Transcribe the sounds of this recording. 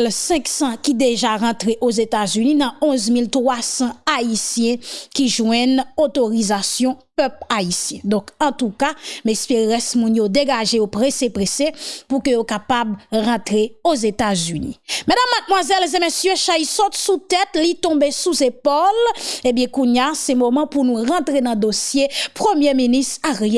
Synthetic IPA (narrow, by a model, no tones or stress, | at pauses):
lsɛ̃ksɑ̃kid̪eʒaʁɑ̃t̪ʁeʔozet̪azyninɐ̃ɔ̃zmilt̪ʁwasɑ̃aisjɛ̃kiʒwɛ̃not̪oʁizasjɔ̃pœplaisjɛ̃d̪ɔ̃kɑ̃t̪ukamespeʁɛsmũnjod̪eɡaʒejopʁesepʁesepukøjokapabʁãt̪ʁeozet̪azynḭmedamːat̪̚mwazɛlzemesjøʃaisɔt̪sut̪ɛt̪lit̪ɔ̃besuzepolebjɛ̃kũɲjasɛmomɑ̃punũʁɑ̃t̪ʁenɑ̃d̪osjepʁømjeminist̪aʁje